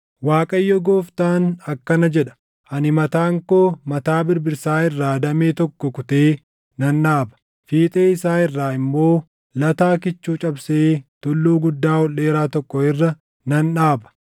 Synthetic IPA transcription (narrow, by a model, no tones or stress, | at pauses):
waːkʼɐjːɔɡo̞ːft̪aːnɐkːɐnɐd͡ʒɛᶑɐ̥ | ʔɐnɪmɐt̪aːŋkoːmɐt̪aːbɪɾbɪɾsaːɪrːaːd̪ɐmeːt̪ɔkːɔkʊt̪eː | nɐnᶑaːbɐ̥ | fiːt̪ʼe̞ːɪsaːɪrːaːɪmːo̞ː | lɐt̪aːkɪt͡ʃːuːt͡ʃʼɐbseːt̪ʊlːuːɡʊd̪ːaːwɔlːe̞ːɾaːt̪ɔkːɔɪrːɐ | nɐnᶑaːbɐ̥